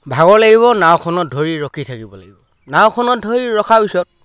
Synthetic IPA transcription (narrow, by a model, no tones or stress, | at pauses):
bʱaɡɔlaɡiβɔnawkʰɔnɔt̚dʱoɹiɹɔkʰitʰakibɔla̰ɡibɔ | nawkʰɔnɔt̚dʱoɹiɹɔkʰapisɔt̚